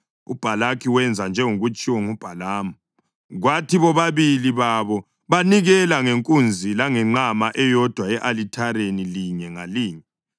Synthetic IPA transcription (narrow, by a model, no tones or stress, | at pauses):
ṵb̥ʱalakʰiwɛnd͡zʱand͡ʒʱɛŋuɣut͡ʃʼiwɔŋub̥ʱalaːmɔ | ɣwatʰiβɔβaβiliβaβɔ | βaniɣɛlaŋeŋkʼund͡zʱilaŋɛŋ͡ǃamaʔɛjɔd̥ʱwaɛʔalitʰaɾeniliɲɛŋaliːɲɛ